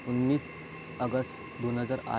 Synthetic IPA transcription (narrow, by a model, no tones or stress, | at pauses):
unːiːs | əɡəsʈ | d̪onɦəd͡zaɾa̰